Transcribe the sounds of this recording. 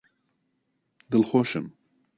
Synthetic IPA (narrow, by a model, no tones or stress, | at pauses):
d̪ɨlxoːʃɨm